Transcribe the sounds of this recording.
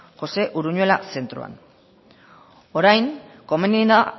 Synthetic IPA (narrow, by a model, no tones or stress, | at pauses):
xo̞se̞ʔuɾuɲue̞lase̞nt̪ɾṵa̰n | o̞ɾajŋ | ko̞menina